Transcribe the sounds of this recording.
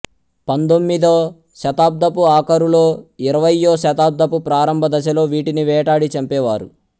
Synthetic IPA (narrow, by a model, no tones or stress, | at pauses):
pɐnd̪omːid̪oː | ʃɐt̪aːb̚d̪ʱɐpuaːkɐɾulo̞ːiɾɐʋɐjːoːʃɐt̪aːb̚d̪ʱɐpupɾaːɾɐmbʱɐd̪ɐt͡ʃ̬ɐlo̞ːʋiːʈiniʋɛːʈaːɽit͡ʃɐmpɛːʋaːɾu